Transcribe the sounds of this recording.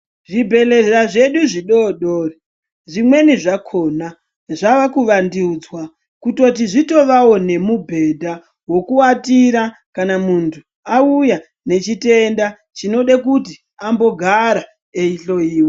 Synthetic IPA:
ʐibʱe̞lerɾaʐe̞ɗuʐiɗoɗoːre | ʐimwe̞niʐakʰo̞na | ʐaʋakuʋandiud͡zwa | kuto̞t̬iʐito̞ʋawo̞ne̞mubʱe̞dʱa | wo̞kuatiɾa | kanamuntʰu | auja | ne̞t͡ʃite̞nda | t͡ʃino̞ɗakuti | ambo̞ɡʱaɾa | eiɬo̞iːwe

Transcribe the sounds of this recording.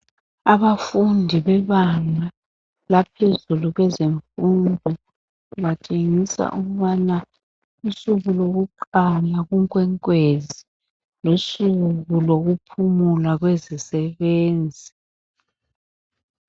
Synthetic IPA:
aβafundʱiβɛβaŋa | lapʰezuluɣwɛzeɱfundʱɔ | watʰʼeŋisa̰ʔuɣuβana | usuɣuloɣuǃalaɣuŋkʼwɛŋkʼwezi | losuɣuloɣupʰumulaɣwezisɛβeːnd͡zʱi

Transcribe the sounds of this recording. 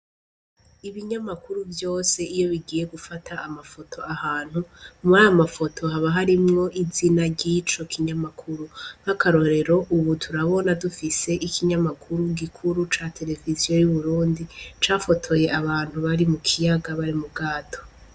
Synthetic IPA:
iβiɲamakuɾuvjo̞ːse̞ijo̞βiɡiːje̞ɡufatʰaːmafo̞tʰo̞ahaːn̥humuɾajamafo̞tʰo̞haβaɦaɾimŋo̞ʔizinaɾɟit͡ʃo̞kʰiɲamakʰuɾum̥akaɾo̞ɾe̞ɾo̞ʔuβutʰuɾaβo̞nadufise̞ʔikʰiɲamakʰuɾuɡikʰuɾut͡ʃaːtʰe̞le̞vizijo̞juβuɾuːndit͡ʃaːfo̞tʰo̞je̞ʔaβaːn̥huβaɾimukʰijaɡaβaɾimubɡaːtʰo̥

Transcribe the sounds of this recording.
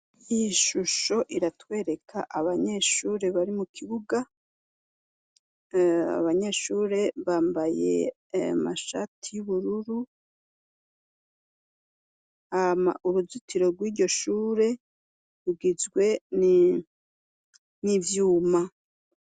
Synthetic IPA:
iiʃuʃo̞ʔiɾatwe̞ːɾe̞kʰa̰ʔaβaɲe̞ʃuːɾe̞βaɾimukʰiβuɡa | a̰βaɲe̞ʃuːɾe̞βaːmbaje̞̰ | ama̰ʃatʰijuβuɾuɾu | ama̰uɾuzutʰiɾo̞ɾɡwiːɟo̞ʃuːɾe̞ | ɾuɡizɡwe̞n | nivjuːma

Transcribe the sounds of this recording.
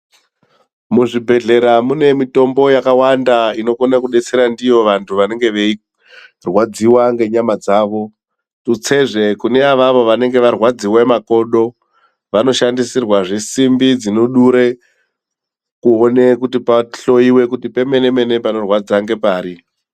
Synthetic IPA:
muʐibʱe̞ɮe̞ɾamune̞mito̞mbo̞jakawandaino̞konakuɗe̞t͡se̞ɾandijo̞ʋantʰuʋane̞ŋɡe̞ʋe̞i | rwad͡ziwaŋɡe̞ɲamad͡zaːʋo̞ | tut͡se̞ʐe̞kune̞aʋaʋo̞ʋane̞ŋɡe̞ʋarwad͡ziwamako̞ɗo̞ | ʋano̞ʃandisirwaʐesimbid͡zino̞ɗuɾe | kuone̞kutipaɬo̞iwe̞kutipe̞me̞ne̞me̞ne̞pano̞rwad͡zaŋɡe̞paːɾi

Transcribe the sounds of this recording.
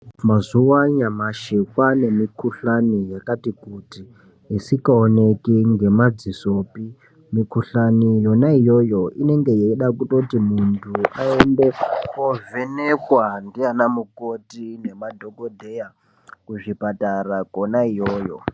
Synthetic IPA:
mazuwaɲamaʃikwane̞mikuɬanijakatikuti | isikaonekiŋɡe̞mad͡ziso̞pi | mikuɬanijo̞naijo̞jo̞ʔḭne̞ŋɡe̞jeiɗakuto̞timuntʰuaende̞kovʱenekwandianamukotine̞madʱoɡo̞dʱeja | kuʐipatarakonaijoːjo̰

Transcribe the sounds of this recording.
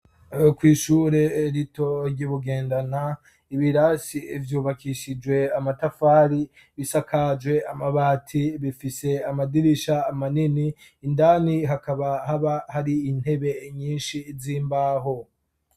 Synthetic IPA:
kwiːʃuːɾeɾito̞ɾɟiβuɡe̞ːndana | iβiɾasievjuːβakiʃid͡ʒwe̞amatafaːɾi | βisakad͡ʒwe̞amaβaːtʰiβifise̞amadiɾiʃaːmaniniː | ndaːniɦakaβahaβahaɾiːn̥he̞βe̞ɲiːnʃiːziːmbaːɦo̞

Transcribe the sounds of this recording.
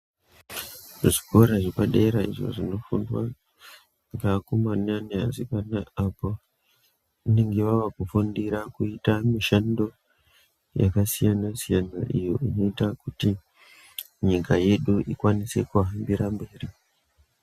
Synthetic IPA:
ʐiko̞ɾaʐepaɗeɾaiʐo̞̰ʐino̞fundwa | ŋɡakumanania̰sipanaapo | uneŋɡeʋaʋakufundiɾakuitamiʃando̞ | ja̰kasijanasijanaʔḭjoʔino̞itakuti | ɲikaje̞ɗuʔikwanise̞kuɦambiɾambe̞ːri

